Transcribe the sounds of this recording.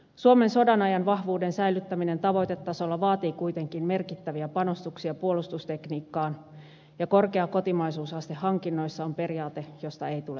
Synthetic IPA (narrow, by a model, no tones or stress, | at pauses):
suome̞nso̞dɑnɑjɑnʋɑhʋuːdensæjlyt̪ːæmine̞nt̪ɑʋo̞jt̪e̞t̪ːɑso̞lːɑʋɑːt̪iːkujt̪e̞ŋkinme̞rkit̪ːæʋiæpɑno̞st̪uksiɑpuolust̪ust̪e̞kniːkːɑːn | jɑko̞rkeɑko̞t̪imɑjsuːsɑst̪ehːɑŋkinːo̞jsːɑompe̞riɑːt̪e̞jo̞st̪ɑe̞jt̪ulḛ